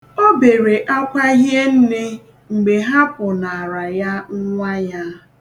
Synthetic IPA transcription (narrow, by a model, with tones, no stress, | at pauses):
o˦be˨ɾe˨ʔa˦kʷa˦ɦje˦n̩˦ne˦ | ŋ͡m̩˨ɡ͡be˨ɦa˦pʊ˨na˨ɾa˨ja˦ŋ̩˦ŋʷa˦ja˦